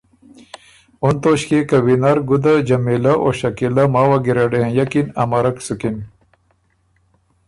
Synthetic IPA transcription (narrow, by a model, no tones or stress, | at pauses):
ont̪oːɕkekɐwinaɾɡud̪ad͡ʑɐmelaʔo̰ɕɐkilɐmaːwaɡiɾeɖeɦẽjɐkinɐmɐɾɐksukin